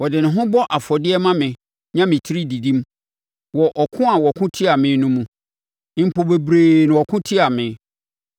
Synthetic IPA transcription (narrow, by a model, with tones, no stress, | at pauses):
wɔ˨dɪ˨nʊ̃˨ɦʊ̃˦bɔ˦ʔa˨fɔ˨dɪ˦ɛ˦mã˦mɪ̃˨ | ɲã˦mɪ̃˨tʰi˦ɾi˦di˨dĩ˦m˦ | wɔ˨ʔɔ˨kʰʊ̃˦a˨wɔ˨kʰʊ̃˦tʰi˦a˨mɪ̃˨˦nũ˦mũ˨˦˨ | pʰo˨be˨bɾeː˨nɪ̃˨ɔ˨kʰʊ̃˦tʰi˦a˨mɪ̃˨